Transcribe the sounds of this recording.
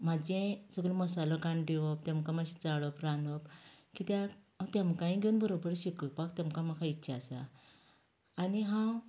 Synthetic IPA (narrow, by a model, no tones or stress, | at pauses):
mad͡ʑẽsəɡɾiməsalɔɡaɳɖeʋɔpt̪ãmkamaɕi̥t͡saɽɔpɾanɔpkit̪a | t̪jãmkãĩɡʱewunbəɾobəɾɕikəpakt̪amkamakʰaitːɕʰaːsa̰ | niɦãw